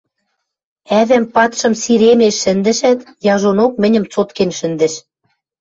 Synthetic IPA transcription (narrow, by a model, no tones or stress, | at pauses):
æðæmpɑt̪ʃɤ̆msiɾemeʃːɘ̆nd̪ɘ̆ʃæt̪jɑʒonok̚mɘ̆nʲə̆mt͡sot̪kenʃɘ̆nd̪ɘ̆ʃ